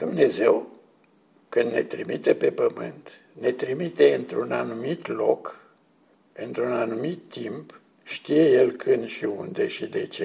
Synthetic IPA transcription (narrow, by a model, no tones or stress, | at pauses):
d̪umne̞ze̞w | kɨnd̪ne̞̰t̪ɾimit̪epe̞pəmɨ̰nt̪ | ne̞t̪ɾimit̪e̞ɨnt̪ɾunanumit̪lo̞k | ɨnt̪ɾunanumit̪ːimp | ʃt̪ije̞je̞lkʰɨnd̪ʃiṵnd̪e̞ʃid̪e̞t͡ʃe